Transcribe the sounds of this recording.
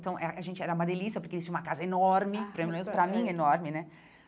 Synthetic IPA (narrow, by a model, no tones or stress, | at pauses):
t̪ɐ̃w̃ʔɛɐʔaʒẽnt͡ʃɪɛɾɐũmɐd̪elisjɐpoɾkelit͡ʃĩũmɐkazɐenɔɾmɪpoɾẽmlomẽnʊspɾɐmĩenɔɾmɪnɛ